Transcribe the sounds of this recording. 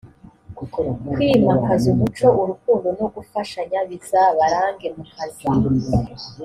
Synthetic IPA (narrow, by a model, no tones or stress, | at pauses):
kwiːmakazuβut͡ʃo̞ʔuɾukuːndo̞no̞ɡufaʃaɲaβisaβaɾaːŋɡe̞muhazi